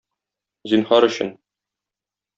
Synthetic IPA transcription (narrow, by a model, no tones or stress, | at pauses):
zinhɑɾɵ̆ɕɘ̰n